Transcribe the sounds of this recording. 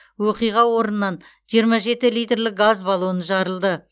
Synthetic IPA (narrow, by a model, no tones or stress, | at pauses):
woqijʁɑwo̞ɾənənɑn | ʒijəɾmɑʒe̞t̪ɪlijt̪rlɪk̚ɡazbɑlˠonəʒɑɾəlˠd̪ə